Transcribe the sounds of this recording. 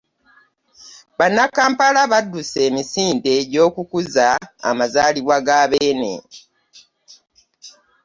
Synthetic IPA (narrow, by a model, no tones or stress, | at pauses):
βanːakaːmpalaβadːuse̞ːmisiːnde̞ɟo̞ːkukuza̰ːmazaːliβwaɡaβeːnḛ